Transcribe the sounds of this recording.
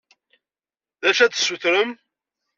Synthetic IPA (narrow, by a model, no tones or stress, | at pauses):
ðæʃæt͡ssuθɾəm